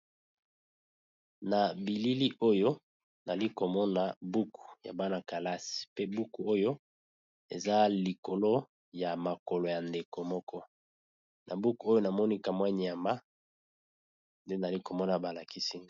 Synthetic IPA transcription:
na˨bi˨li˦li˦ʔo˦jo˦ | na˨li˦ko˨mɔ˦na˨bu˦ku̥˨ja̰˨ba˦na˨ka˨la˦si̥˨pe˦bu˦ku˨o˦jo˦ | e˨za˦li˨ko˨lo˦ | ja˨ma˨kɔ˨lo˨ja˨nde˨ko˨mɔ˦kɔ˦ | nʔa˨bu˦ku˨o˦jo˦na˨mɔ˦ni˦ka˨mwa˦ɲi˨a˨mba˦ | nde˦na˨a˨li˦ko˨mɔ˦na˨ba˨la˨ki˦si˦

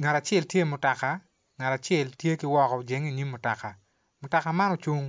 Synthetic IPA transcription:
ŋa˨ɾa˨t͡ʃɛ˦˨ltje˦˨mʊ˨ta˨ka˨ | ŋa˨ta˨t͡ʃɛ˦˨ltje˦kɪ˦wɔ˦kɔ˨d͡ʒe˨ŋi˨ɲi˦mmʊ˨ta˨ka˨ | mʊ˨ta˨ka˨ma˦nɔ˦t͡ʃu˦ŋ

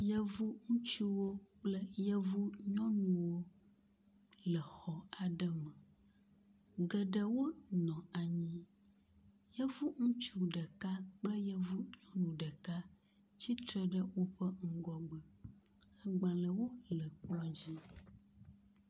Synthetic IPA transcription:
jə˦vu˦ŋũ˦t͡ʃu˦wo˦k͡plə˦jə˦vu˦ɲɔ̃˦nũ˨wo˦ | lə˨xɔ˨a˨ɖə˦mə˨ | ɡə˨ɖə˦wo˦nɔ̃˨a˨ɲĩ˦ | jə˦vu˦ŋũ˦t͡ʃu˦ɖə˨ka˦k͡plə˦jə˦vu˦ɲɔ̃˦nũ˨ɖə˨ka˦ | t͡ɕi˦t̪ɾə˦ɖə˦wo˦ɸə˦ŋ̩˦ɡɔ˦ɡ͡bə˨ | ə˦ɡ͡bã˨lə˨wo˦lə˨k͡pɔ˦d͡ʑi˦

